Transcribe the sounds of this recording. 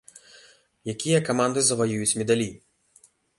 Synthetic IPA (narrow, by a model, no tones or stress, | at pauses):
jakʲijɐkamand̪ɨzɐvajujut͡sʲmʲɛd̪alʲi